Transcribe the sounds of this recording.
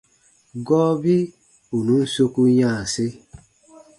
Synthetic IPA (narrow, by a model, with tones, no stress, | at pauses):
ɡɔː˦bi˦ | u˨nũ˨˦n̩˦so˦ku˦ɲãː˦˨se˦